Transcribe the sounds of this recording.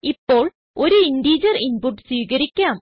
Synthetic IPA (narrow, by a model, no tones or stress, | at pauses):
ipːoːɭ | ɔɾɯɪɳɖiːd͡ʒɐɾɪnpʊʈːsiːkɐɾɪkʲːaːm